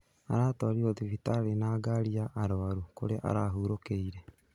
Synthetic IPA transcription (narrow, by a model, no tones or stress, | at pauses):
a̰ɾaːtɔaɾioðifitaɾenaːɡaɾiaʔaɾoaɾuko̰ɾeʔa̰ɾaɦuːɾokeiɾɛ